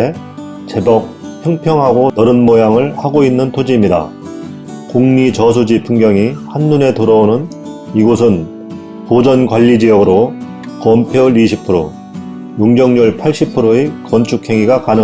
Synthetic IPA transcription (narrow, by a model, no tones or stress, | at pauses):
e | t͡ɕe̞bʌk̚ | pjʌŋpʰjʌŋɦaɡonʌɾɯnmojaŋɯɭhaɡoinːɯntʰod͡ʑiːmɲida̰ | kuŋɲit͡ɕʌs̬ʰud͡ʑipʰuŋɡjʌŋihanːune̞tɯɾʌonɯn | iɡosʰɯn | kod͡ʑʌnɡwaʎːid͡ʑijʌɡɯɾo | kʌmpʰjoɾiɕʰipʰɯɾo | juŋd͡ʑʌŋɲuɭpʰaɭɕ͈ipʰɯɾoekʌnt͡ɕʰukʰe̞ŋiɡakanɯ